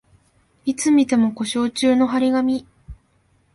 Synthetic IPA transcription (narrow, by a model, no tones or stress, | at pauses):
it͡sɨmʲit̪e̞mo̞ko̞ɕo̞ːt͡ɕɨːno̞ɦaɾʲiɡamʲi